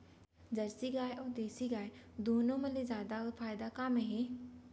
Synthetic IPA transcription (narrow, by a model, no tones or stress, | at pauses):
d͡ʒɐɾsiɡaːeʔoːd̪eːsiɡaːed̪uːnõmɐ̃lezjaːd̪afʰaːɪd̪akaːmeɦeː